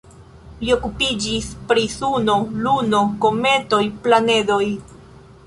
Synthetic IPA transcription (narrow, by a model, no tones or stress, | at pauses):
lio̞kupid͡ʒispɾisuno̞luno̞ko̞me̞to̞jplanedo̞j